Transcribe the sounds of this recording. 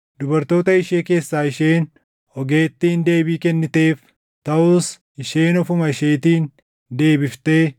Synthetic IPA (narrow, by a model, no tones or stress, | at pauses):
d̪ʊbɐɾt̪o̞ːt̪ɐɪʃeːke̞ːsːaːɪʃe̞ːn | ɔɡeːt̪ːiːnd̪e̞ːbiːkɛnːɪt̪e̞ːf | t̪ɐʊːs | ɪʃe̞ːnɔfʊmɐɪʃeːt̪iːn | d̪e̞ːbɪft̪e̞ː